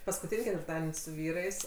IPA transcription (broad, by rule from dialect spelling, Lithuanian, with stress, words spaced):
pɐskʊˈtʲiːnʲ kʲɛtʲʋʲɪrˈtɑːdʲɛnʲ sʊ ˈʋʲiːrɐɪs